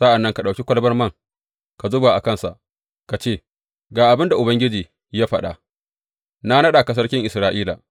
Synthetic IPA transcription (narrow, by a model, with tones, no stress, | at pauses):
sa˦ʔa˨nːɐ˦ŋka˨ɗa˨wkʲi˦kʷɐ˦lbɐ˦rmɐ˦ŋ | ka˨zʊ˦baː˨ʔa˨kɐ˦nsa̰˨ʔ | ka˨t͡ʃeː˦˨ | ɡaː˨ʔa˨bɪ˦nda˨ʔʊ˨bɐ˦ŋɡʲɪ˦d͡ʒiː˨ | jaː˦ɸɐ˨ɗa̰˨ | na˦nɐ˦ɗa˨ka˨s̬ɐ˦rkʲɪ˦ŋʔɪ˨sɾaː˨ʔiː˦la̰˨